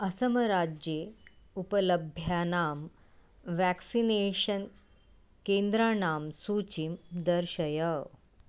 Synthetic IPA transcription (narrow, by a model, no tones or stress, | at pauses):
əsəməɾad͡ʑjeupələbʱjanaːm | ʋæksineɕən | kẽnd̪ɾanaːmsuːt͡ɕimd̪əɾɕəjə